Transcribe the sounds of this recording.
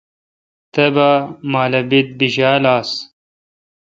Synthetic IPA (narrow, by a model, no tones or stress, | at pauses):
t̪ɐbamaːlɐbit̪̚biʑaːlaːs